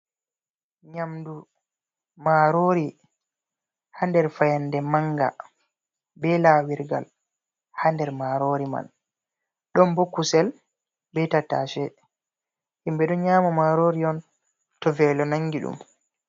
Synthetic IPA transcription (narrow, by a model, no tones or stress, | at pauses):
ɲamdu | maɾoːɾi | handɛɾfajandɛmaŋɡa̰ | bɛlaːwiɾɡa̰l | handɛɾmaɾoɾima̰n | ɗɔmbokːusɛl | bɛtata̰ʃɛ | himbɛɗɔɲaːmɔmaɾoɾiɔn | tɔvɛːlɔnaŋɡiɗṵm